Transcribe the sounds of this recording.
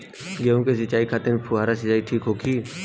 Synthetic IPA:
ɡeːũkes̬ɪt͡ʃaːikʰaːt̪ɪnpʰuaːɾasɪt͡ʃaːiʈʰiːkɦoːkʰiː

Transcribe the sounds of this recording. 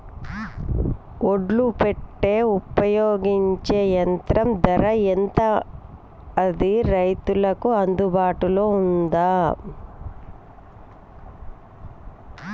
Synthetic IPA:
oɖlupeʈːe̞ːupɐjoːɡiɲt͡ʃe̞ːjɐnt̪ɾɐmd̪ɐɾɐent̪ɐː | d̪iɾɐjt̪ulɐkuɐnd̪ubaːʈulo̞ːund̪aː

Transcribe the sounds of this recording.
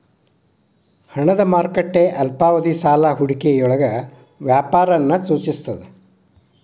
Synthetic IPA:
hɐɳɐd̪ɐmaːɾkɐʈːeːʔɐlpaːʋɐd̪isaːlaɦuɽikejɔɭɐɡɐ | ʋjaːpaːɾɐnːɐsuːt͡ʃist̪ɐd̪e

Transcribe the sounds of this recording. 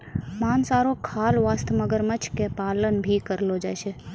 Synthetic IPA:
maːnsaɾokʰalʋaːst̪ʰməɡəɾmət͡ʃʰkepaːlənbʱikəɾlod͡ʒa̰jʃe

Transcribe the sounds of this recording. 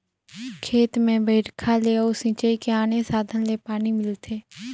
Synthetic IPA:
kʰeːt̪mẽbəɪʈkʰaleɔːɾsɪ̃t͡ʃəikeaːnesaːd̪ʱənlepaːnimɪlt̪ʰeː

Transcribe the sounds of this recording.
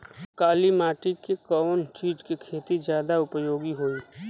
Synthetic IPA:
kaːlimaːʈɪkekɔːnt͡ʃiːd͡ʒkekʰeːt̪izjaːd̪aʊpəjoːɡiɦoiː

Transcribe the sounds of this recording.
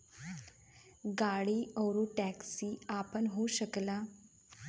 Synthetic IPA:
ɡaɽiːəwɾoʈæksiːapənɦoɕəkla

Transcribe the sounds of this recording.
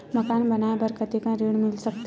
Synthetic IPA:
mɐkaːnbɐnaːebɐɾkət̪ekãɾeːɽmɪlsɐk̚t̪

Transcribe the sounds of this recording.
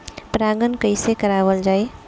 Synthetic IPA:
pɾaːɡənkəɪsekəɾaːʋəld͡ʒaːe

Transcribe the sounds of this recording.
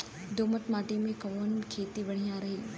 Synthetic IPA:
d̪oːmət̪maːʈimẽkɐʋonkʰeːt̪iʋɐɽ̃ijãɾɐɦiː

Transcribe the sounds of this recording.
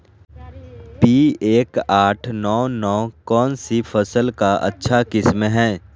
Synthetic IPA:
piːeːkaːʈʰnɔːnɔːkɔːnsipʰəsəlkaʔɐ̰tːʃʰakɪsmɦɛ̃ː

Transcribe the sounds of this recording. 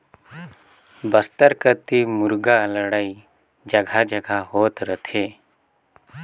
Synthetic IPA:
bəst̪əɾkət̪imʊɾɡaləɽai | d͡ʒəɡʱad͡ʒəɡʱaɦoːt̪ɾət̪ʰeː

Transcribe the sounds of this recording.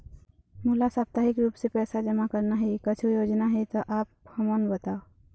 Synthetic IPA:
mulasap̚t̪aɦikɾuːpsepɛːsad͡ʒəmakəɾnaɦɛkət͡ʃʰojoːd͡ʒnaɦɛt̪ɔʔaːp̚həmənbət̪ao

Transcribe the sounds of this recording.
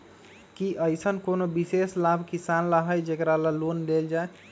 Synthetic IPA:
kiʔəjsənkonobiseslabʱkisanlaɦəjd͡ʒekɾaləlonleld͡ʒae

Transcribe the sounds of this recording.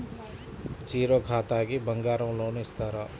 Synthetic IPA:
t͡siɾoɡʰʱat̪aɡibʱʌŋɡaɾʌw̃lawnest̪ʰʌɾʌ

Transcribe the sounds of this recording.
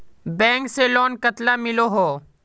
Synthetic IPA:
bɛ̃ːŋkselɔːnkət̪lamɪloɦoː

